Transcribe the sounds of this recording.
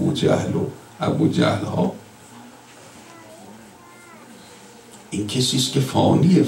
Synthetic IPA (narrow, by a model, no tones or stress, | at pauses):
ud͡ʒæ̰hlo | æbud͡ʒæ̰hlhɔː | inkʲʰesiːskʰʲefɔːnie